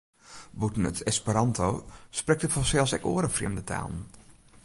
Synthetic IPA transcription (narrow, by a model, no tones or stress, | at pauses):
butn̩ə̰tʰɛspəɾɑntʰoːsprɛk̚təfɔsɛlˠsɛko̰əɾəfrjɛ̰mdətʰa̰ːlˠn̩